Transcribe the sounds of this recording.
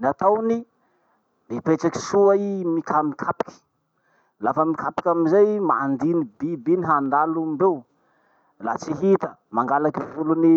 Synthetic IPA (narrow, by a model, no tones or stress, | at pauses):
niat̪awni | nipeʈ͡ʂaki̥suaimikʰamikʰapi̥kʲi̥ | lafəmikʰapi̥kʲaminzejma̰nd̪inibibiniɦand̪alumbew | la̰t͡siɦit̪əmaŋɡalakivuluni